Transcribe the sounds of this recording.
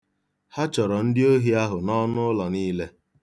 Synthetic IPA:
ha˦t͡ʃɔ˨ɾɔ˨n̩˦dɪ˦o˦ɦi˦a˦ɦʊ˨nɔ˦nʊ˦lɔ˨niː˦le˦

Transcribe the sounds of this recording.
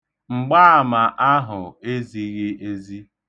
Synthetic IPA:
ŋ͡m̩˨ɡ͡ba˦a˨ma˨ʔa˦ɦʊ˨e˦zi˨ɣɪ˦e˦zi˦

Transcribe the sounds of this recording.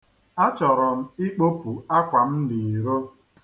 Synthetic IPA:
a˦t͡ʃɔ˨ɾɔ˨m̩˦ɪ˦k͡po˦pu˨a˦kʷa˨m̩˦di˨i˨ɾo˦

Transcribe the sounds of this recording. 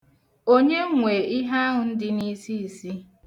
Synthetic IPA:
o˦ɲe˦ŋʷe˨i˦ɦa˦ɦʊ˨n̩˦dɪ˦ni˦si˦i˨si˦

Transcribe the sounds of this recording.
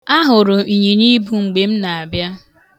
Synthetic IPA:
a˦ɦʊ˨ɾʊ˨i˨ɲi˨ni˦bu˨ŋ͡m̩˨ɡ͡be˨m̩˦na˨a˨bja˦

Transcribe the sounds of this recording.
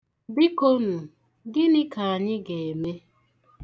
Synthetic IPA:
bi˦ko˦nʊ˨ | ɡɪ˦nɪ˦ka˨a˨ɲɪ˦ɡe˨e˨me˦

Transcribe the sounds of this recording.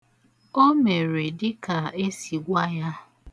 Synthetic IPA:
o˦me˨ɾe˨dɪ˦ka˨e˦si˨ɡʷa˦ja˦

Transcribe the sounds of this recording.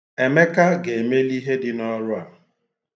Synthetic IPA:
e˨me˦ka˦ɡe˨me˦li˦ɦe˦dɪ˦nɔ˦ɾʊ˦a˨

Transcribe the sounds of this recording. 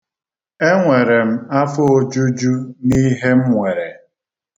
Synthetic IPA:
e˦ŋʷe˨ɾe˨m̩˦a˦fʊ˦o˦d͡ʒu˦d͡ʒu˦ni˦ɦe˦m̩˦ŋʷe˨ɾe˨

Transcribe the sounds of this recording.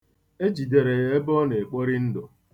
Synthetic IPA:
e˦d͡ʒi˨de˨ɾe˨ɣe˦e˦bɔ˦ne˨k͡po˦ɾi˦n̩˦dʊ˨

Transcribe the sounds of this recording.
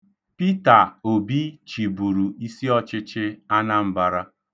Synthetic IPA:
pi˦ta˨o˨bi˦t͡ʃi˨bu˨ɾu˨i˦si˦ɔ˦t͡ʃɪ˦t͡ʃɪ˦a˦na˦m̩˦ba˦ɾa˦

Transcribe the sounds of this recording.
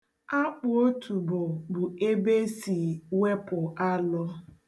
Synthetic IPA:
a˦k͡pʊ˨o˦tʰu˨bʊ˨bʊ˨e˦be˦si˨we˦pʊ˨ʔa˦lʊ˦

